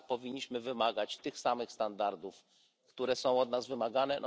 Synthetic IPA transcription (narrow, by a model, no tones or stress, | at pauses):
pɔvʲiɲːiɕmɘvɘmaɡat͡ɕt̪ɘxsamɘxst̪and̪aɾd̪uf | kt̪uɾɛsɔ̃w̃ɔd̪nazvɘmaɡanɛn